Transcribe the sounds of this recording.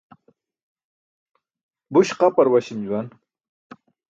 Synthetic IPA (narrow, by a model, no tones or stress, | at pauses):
buɕqapɐɾwɐɕimd͡ʑuwan